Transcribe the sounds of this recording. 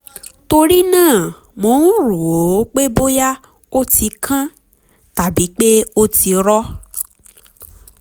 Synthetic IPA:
to˧ɾi˦nãː˦˨ | mõ˨˦nũ˦ɾo˨o˨˦k͡pe˦bo˦ja˦ | o˦ti˧kʰã˦ | ta˨bi˨˦k͡pe˦o˦ti˧ɾɔ˦

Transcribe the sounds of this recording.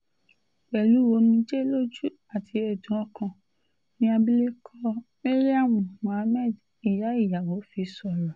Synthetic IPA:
k͡pɛ˨lu˨˦wo˧˦nĩ˧˦d͡ʒe˦lo˦d͡ʒu˦ | a˦˨tʰi˧ɛ˨dũ˨˦ɔ̃˧˦kã˧ | nĩ˦a˧bi˦le˦kʰɔ˦me˦ɾi˦a˦˨w̃ɔ̃˨mɔ̃˨a˧mɛ˦˨d | i˨ɾa˨˦i˦˨ja˨wo˨˦fi˧sɔ˧ɾɔ˨

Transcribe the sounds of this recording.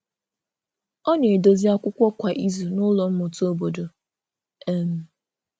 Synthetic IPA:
ɔ˦ne˨do˨zi˦a˦kʷʊ˦kʷɔ˦kʷa˨ʔi˦zu˨nʊ˦lɔ˨m̩˦mʊ˨tu˦o˦bo˨do˨ | e˦m̩˨˦

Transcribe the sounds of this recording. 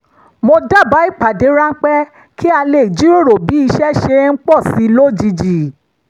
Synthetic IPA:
mo˧da˦˨ba˨˦i˦˨k͡pa˨de˨˦ɾã˦n̩˦k͡pɛ˦ | kʰi˦a˧le˨i˨d͡ʒi˨˦ɾo˦˨ɾo˨bi˨˦i˧ʃɛ˦ʃe˧˦ŋ̩˦k͡pɔ˦˨si˨˦lo˦˨d͡ʒi˧d͡ʒi˨

